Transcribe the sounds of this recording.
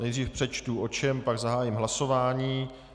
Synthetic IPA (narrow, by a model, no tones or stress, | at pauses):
nɛjd̪riːfpr̥ɛt͡ʃt̪uʔo̞t͡ʃɛmpaɡzaɦaːjimɦlaso̞vaːɲiː